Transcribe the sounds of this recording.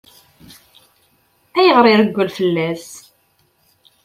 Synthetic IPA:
æjəʁɾˤiɾəɡʷːəlfəlːæs

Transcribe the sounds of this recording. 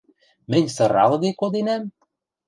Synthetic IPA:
mɘ̆nʲsɤ̆ɾɑlˠɣɤjkod̪enæm

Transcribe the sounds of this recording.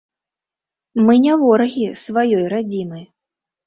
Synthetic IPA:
mɨnʲavɔɾɐɣʲisvajɔjɾad͡zʲinɨj

